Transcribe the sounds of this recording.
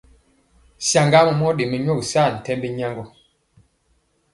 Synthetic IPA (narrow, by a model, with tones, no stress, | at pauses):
sja˨ŋɡa˦mə˨mɔ˦ɗe˨me˨˦ɲo˦˨sa˦˨n̩˨tɛ˦mbe˦ɲa˦ŋɡɔ˨